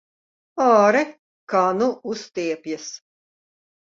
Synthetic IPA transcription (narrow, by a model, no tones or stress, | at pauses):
ɔːɾɛ | kanuust̪iɛpjɐs